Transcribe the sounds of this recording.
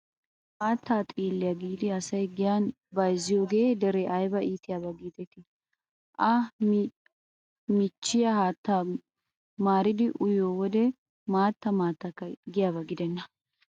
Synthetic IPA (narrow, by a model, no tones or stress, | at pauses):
maːt̪ːaːt̪ʼiːlːɪjaɡiːd̪ɪɐsɐjɡɪjan | bɐjzːɪjoːɡe̞ːd̪ɛɾɛʔɐjbɐiːt̪ɪjabɐɡiːt̪ɛt̪ɪ | ʔɐ | mɪt͡ʃːɪjɐhaːt̪ːa | maːɾɪd̪ɪʔʊjoːwɔd̪ɛ | maːt̪ːɐmaːt̪ːɐkːɐɡɪjaːbɐɡɪd̪ɛnːɐ